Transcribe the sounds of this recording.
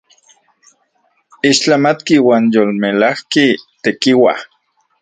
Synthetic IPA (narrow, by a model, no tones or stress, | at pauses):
iʃt͡ɬamat̪kiwaːnjolmelahkit̪ekiwa